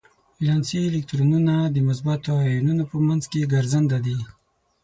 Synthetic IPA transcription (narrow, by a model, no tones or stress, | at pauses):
aʒɑnsiːlɪk̚t̪ɾonunad̪əmʊs̬bat̪oɑjununopəmanzkeɡaɾzand̪ad̪i